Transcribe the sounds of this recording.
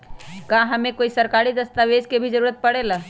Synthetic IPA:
kaɦəmẽkoːisəɾkaːɾid̪əst̪aʋed͡ʒkebʱid͡ʒəɾuːɾət̪̚pəɽela

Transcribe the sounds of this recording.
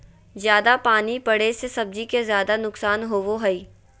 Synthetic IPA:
zjaːd̪apaːnipɐɽesesɐb̚d͡ʒikezjaːd̪anʊksaːnɦoːʋoɦɐiː

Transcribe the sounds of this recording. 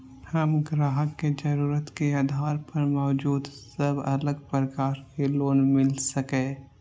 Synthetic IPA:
hɐmɡɾaːɦəkːed͡ʒɐɾuːɾət̪keaːd̪ʱaːɾpɐɾmɔːd͡ʒuːd̪sɐbɐ̰ləɡpɾəkaːɾkeloːnmɪlsɐkẽː

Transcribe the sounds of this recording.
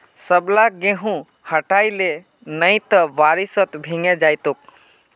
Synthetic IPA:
səblaɡeɦũ | həʈaile | nəjt̪əʋaɾisət̪bʱiŋed͡ʒajt̪ok̚

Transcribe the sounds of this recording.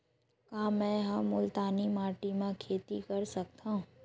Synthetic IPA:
kãːmɛ̃ːɦɐmːʊlt̪aːnimaːʈimãkʰeːt̪ikɐɾsɐk̚t̪aɦũː

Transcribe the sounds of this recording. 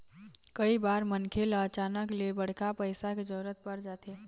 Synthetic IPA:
kəibaɾmənkʰelət͡ʃanəklebəɽ̤kapəɪsaked͡ʒəɾət̪̚pəɾd͡ʒat̪e

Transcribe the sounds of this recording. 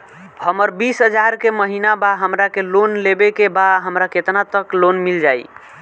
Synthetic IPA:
həməɾbisɦəd͡ʒaɾkeməɦinabaɦəmɾakelonlebekebaɦəmɾaket̪nat̪əklonmild͡ʒaj

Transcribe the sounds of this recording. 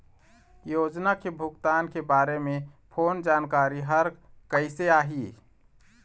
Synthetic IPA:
jod͡ʒnakebʱʊɡt̪ankebaːɾemepʰoːnd͡ʒaːnkaɾiɦəɾkəɪseaːɦi

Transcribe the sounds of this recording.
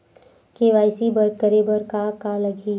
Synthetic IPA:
keʋaːɪsibɐɾkəɾebɐɾkakalɐɡʱiː

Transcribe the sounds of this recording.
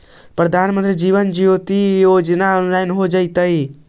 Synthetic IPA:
pɾəd̪ʱanmənt̪ɾid͡ʒiβənd͡ʒijot̪ijod͡ʒnaɔnlajnɦod͡ʒəɪt̪əj

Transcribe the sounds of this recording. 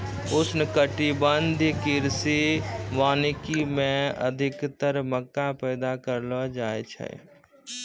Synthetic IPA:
ʊsnəkəʈibənd̪ʱikiɾsiʋaːnikimẽə̰d̪ʱikt̪əɾməkːapəɪd̪akəɾlɔd͡ʒajt͡ʃʰɛ̰

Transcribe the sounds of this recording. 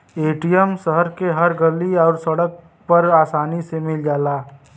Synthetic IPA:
eːʈijəmsəɦəɾkeɦəɾɡəliɔːɾsɐɽək̚ | pəɾaːsaːnisemɪld͡ʒaːlaː

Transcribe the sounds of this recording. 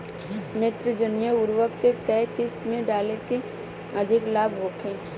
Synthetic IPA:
neːt̪ɾɪd͡ʒənjəʊɾwəkːekɛːkɪst̪mẽɖaːleke | ɐd̪ʱɪklaːbʱɦoːkʰẽː

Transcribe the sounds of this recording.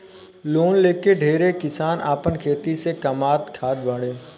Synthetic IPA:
loːnleːkeɖʱeːɾekɪsaːna̰ːpənkʰeːt̪isekɐmaːt̪kʰaːd̪baːɽẽː

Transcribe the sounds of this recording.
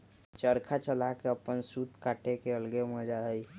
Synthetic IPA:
t͡ʃəɾkʰat͡ʃəlakeəpːənsut̪kaʈʰekeəlɡeməd͡ʒaɦəj

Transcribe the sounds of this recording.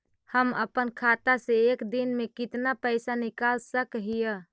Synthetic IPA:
həmə̰pənkʰat̪aseːkd̪inmekit̪napəɪsanikalsəkɦijə

